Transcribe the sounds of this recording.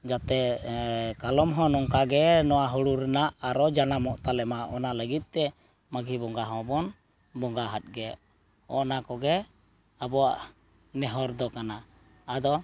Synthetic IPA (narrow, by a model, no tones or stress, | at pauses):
d͡ʒat̪ɛ | kalɔmɦɔ̃nɔŋkaɡɛnɔwaɦɔɽuɾɛnaʔaɾɔd͡ʒanamɔʔt̪alɛmaʔɔnaləɡit̪̚ˀt̪ɛ | maɡibɔŋɡaɦɔ̃bɔn | bɔŋɡaɦat̪̚ˀɡɛ | ɔ̰nakɔɡɛ | abɔwaʔ | nɛɦɔɾd̪ɔkana | ad̪ɔ